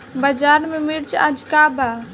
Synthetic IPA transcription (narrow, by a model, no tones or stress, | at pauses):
bəd͡ʒaːɾmẽmiɽt͡ʃa̰d͡ʒkaba